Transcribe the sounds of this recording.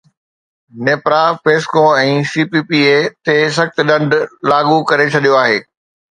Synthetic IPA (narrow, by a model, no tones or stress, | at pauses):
neːpɾãpeːskõɛ̃ːsiːpiːpiːet̪es̬ɐxt̪̆ɗɐ̃ɳɖlaːɠukɐɾet͡ɕʰɐɗijoaːɦeː